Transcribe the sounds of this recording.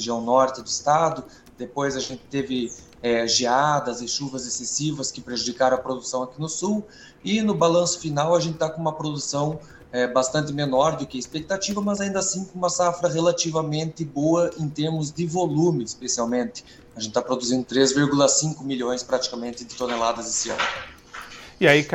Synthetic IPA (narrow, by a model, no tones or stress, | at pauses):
eʒiɐ̃w̃nɔɾt̪ɪd̪ʊɪst̪ad̪ʊ | d̪̥epojzɐʒẽnt̪ɪ̥t̪evɪ | ɛʒead̪ɐzɪʃuvɐzesesivɐskɪpɾeʒud̪ikaɾɐ̃ɐpɾod̪usɐ̃w̃akinʊsuw | ɪnʊbalɐ̃sʊ̥finawɐʒẽnt̪ɪ̥t̪akõũmɐpɾod̪usɐ̃w̃ | ɛbast̪ɐ̃nt̪ɪmenɔɾd̪ʊkɪispek̚t̪at͡ʃivɐmɐzaĩnd̪ɐasĩkõũmɐsafɾɐʁelat͡ʃivɐmẽnt̪ɪboɐʔẽt̪eɾmʊzd̪ɪvolũmɪːspesiawmẽnt̪ɪ̥ | aʒẽt̪ɪt̪apɾod̪uzĩnd̪ʊt̪ɾezviɾɡulɐsĩkʊmiʎʲõj̃spɾat͡ʃi̥kamẽnt̪ɪd̪ɪt̪onelad̪ɐzesɪɐ̰̃nʊ | ɪaik